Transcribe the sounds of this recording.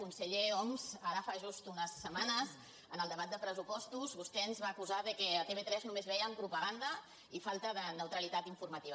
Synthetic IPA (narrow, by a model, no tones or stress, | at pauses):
kunsəʎeɔmzaɾəfaʒust̪unəsːəmanəz | ənəlˠd̪əβat̪̚d̪əpɾəzupɔst̪uzβust̪ɛənzβaːkuzaðəkɛət̪eβet̪ɾɛznumezβɛjəmpɾupəɣand̪ə | ifalˠt̪əðənəwt̪ɾəlit̪at̪iɱfurmət̪iβə